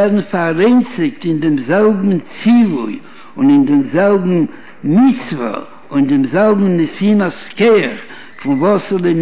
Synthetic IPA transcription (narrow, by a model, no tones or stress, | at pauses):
ɛɾdn̩faɾeɪnsɪk̚tɪndɪmzɛlˠbm̩t͡siʊj | ʊnɪndɪmzɛlˠbm̩ | mɪt͡svə̰ | ʊndɪmzɛlˠbm̩nɪsiːnaskeχ | fɪnvɔsɪle